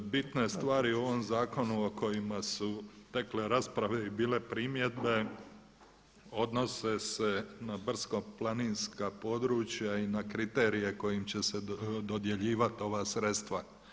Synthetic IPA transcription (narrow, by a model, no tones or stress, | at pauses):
bit̪ne̞st̪ʋaːɾio̞ʋo̞mzaːko̞nuoko̞jimasut̪e̞kle̞ɾaspɾaʋe̞ibiːle̞pɾiːmje̞d̪be | o̞d̪no̞se̞se̞nabr̩skoplˠaninskapo̞d̪ɾuːt͡ɕjainakɾit̪e̞ːɾije̞ko̞jimt͡ɕe̞sed̪o̞d̪je̞ʎiːʋat̪io̞ʋaːsɾet̪st̪ʋa